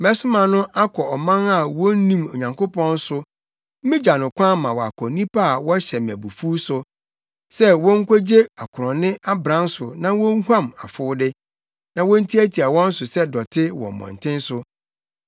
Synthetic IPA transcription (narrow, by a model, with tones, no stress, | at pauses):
mɛ˦sʊ˦mã˨nʊ̃˦ʔa˦kʰɔ˨ɔ˨mã˦na˨wɔ̃˦n˦nĩ˦˨mo˨ɲã˨ŋko˦pɔ̃˦n̩˦sʊ˦ | m̩˦mĩ˦d͡ʑa˨nʊ̃˨kʷʰã˦mã˨wɔ˨a̰˨kʰɔ˨nĩ˦pa˦a˨wɔ˦ɕɛ˨m˨æ˨bu˨fuː˦sʊ˨ | sɛ˦wɔ̃˦ŋ̩˦kʰʷo˦d͡ʑe˦a˨kʰʊ˨ɾɔ̃˨nɪ̃˦a˦bɾã˦n˦sʊ˨nã˦wɔ̃˦ŋ˦hã˦ma˨fʊː˦dɪ˦ | nã˨wɔ̃˦n̩˦tʰi˦æ˦tʰi˨a˨wɔ̃˦n̩˦sʊ˨sɛ˦dɔ˨tʰɪ˦wɔ̰̃˨mɔ̰̃˨n˨tʰɪ̃˦n˦sʊ˦